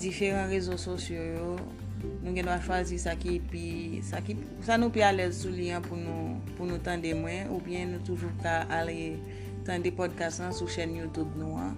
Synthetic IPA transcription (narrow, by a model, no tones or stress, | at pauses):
d͡zifeʁɑ̃ʁezososjojo | nũɡɛ̃nwaʃwazisakipi | saki | sanũpialɛzsuliãpunũ | punũt̪ãdemwɛ̃ubjɛ̃nũt̪uʒukaale | t̪ãdepɔd̚kastãsuʃɛnjut̪ubnũã̰